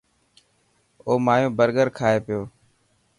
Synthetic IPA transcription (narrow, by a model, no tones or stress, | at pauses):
oːmaːjõːbəɾɡəɾkʰaːeːpɪjoː